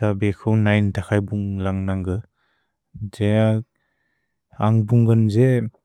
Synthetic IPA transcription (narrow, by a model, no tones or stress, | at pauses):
tabekʰɯwnajntʰakʰajbuŋlaŋnaŋɡɯ | zeja | aŋbuŋɡɯnze